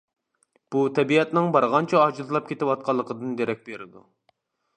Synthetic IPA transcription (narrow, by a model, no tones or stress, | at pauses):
b̥ut̪ʰɛbiɛt̪nɪŋbɑɾʁɑnt͡ʃʰɛɑd͡ʒuzlˠɑp̚kʲʰet̪ɪwɑt̪̚qʰɑlˠːəqʰəd̪ɨnd̪eɾɛk̚ʲbeɾɪd̪u